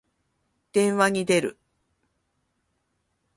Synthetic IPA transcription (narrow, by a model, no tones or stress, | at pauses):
d̪̥ẽ̞ɰ̃βaɲ̟id̪e̞ɾɯ̟̰